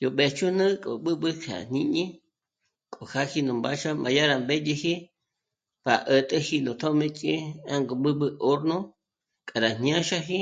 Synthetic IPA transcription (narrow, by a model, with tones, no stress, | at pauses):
jo˨ɓe˨t͡ʃu˦nɨ̃˦kʼo̰˨ɓɨ˦ɓɨ˦kʰa̰˨n̥ĩ˦ɲĩ˦ | kʼo˨xa˦hi˦nũ˨mba˦ʃa˦mʔã̰˨ja˦ɾa˨mbe˦je˧hi˦ | pa˨ʔə˨t̪ʼə˦hi˦nõ˨t̪ʰo˦mẽ˦t͡ʃʼi˦a˦ŋɡo˨ɓɨ˦ɓɨ˧ʔo˦ɾnõ˦ | kʼa˨ɾa˨ɲjã˦ʃa˦ɦi˦